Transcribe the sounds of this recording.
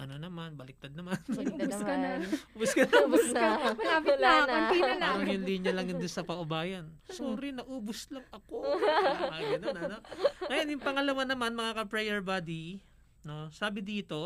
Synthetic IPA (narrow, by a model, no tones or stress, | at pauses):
ʔɐno̞nɐmanbɐlɪk̚t̪ɐd̪̚nɐman | ʊbʊskɐnɐbʊsɐmɐlapɪaɐmiɐnaɾɐŋjʊnliːɲjɐlɐŋjʊnd̪ʊnsɐpɐʔʊbaːjɐnsoɾɪnɐʔuːbʊslɐŋʔɐkoaɡɐnonɐnoŋɐjonjʊŋpɐŋɐlɐwanɐmanmɐŋakɐpɹɛjɛɹbad̪i | no̞saːbɪd̪iːt̪o̞